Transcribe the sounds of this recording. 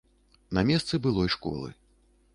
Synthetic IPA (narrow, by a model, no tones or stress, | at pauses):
nɐmʲɛst̪sɨbɨlˠɔjʂkɔ̰lˠɨ̰